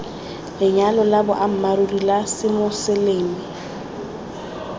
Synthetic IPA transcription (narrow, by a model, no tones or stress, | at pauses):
lɪɲalɔlabʊʔam̩maɾurilasɪmʊsɪleːmi